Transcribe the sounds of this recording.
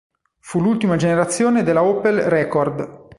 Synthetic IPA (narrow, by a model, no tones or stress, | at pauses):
fulult̪imad͡ʒeneɾat̪sːjoːned̪elːaɔːpelrɛːkɔrd̪